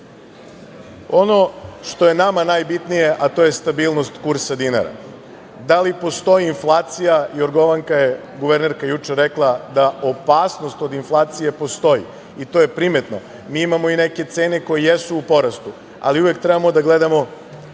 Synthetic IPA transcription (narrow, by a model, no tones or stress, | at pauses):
o̞no̞ʃt̪o̞je̞namanaːjbit̪nije̞ʔat̪o̞je̞st̪abiːlˠnost̪kuɾsad̪ina̰ɾa̰ | d̪alipo̞st̪o̞jiːnflˠaːt̪sijajoɾɡo̞ʋaŋkaje | ɡuʋeɾneɾkajut͡ʃeɾeklˠad̪aopaːsno̞st̪o̞d̪inflˠaːt̪sije̞po̞st̪o̞jḭ | it̪o̞je̞pɾime̞t̪no̞̰ | miːimamo̞ineke̞t̪se̞ːneko̞jejesuːpo̞ɾast̪u | a̰liuʋjek̚t̪ɾɛbamo̞d̪aɡled̪amo̞